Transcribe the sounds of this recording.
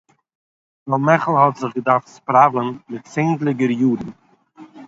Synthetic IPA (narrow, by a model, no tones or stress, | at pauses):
valˠmɛχl̩ˠhɔtzɪχɡədaɾftspɾavlˠənmɪtt͡seɪndlˠɪɡəɾjuːdn̩